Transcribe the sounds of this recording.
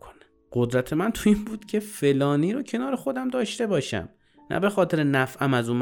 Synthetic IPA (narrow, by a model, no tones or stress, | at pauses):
kʰone | ɢ̥od̪ɾæt̪ʰe̞mænt̪ʰuinbuːd̪̥cʰe̞fe̞lɒːniːɾocʰe̞nɒːɾe̞xo̞d̪æmd̪ɒːʃt̪e̞bɒːʃæ̰m | næ̰be̞xɒːt̪ʰe̞ɾenæfʔæmæzuːnm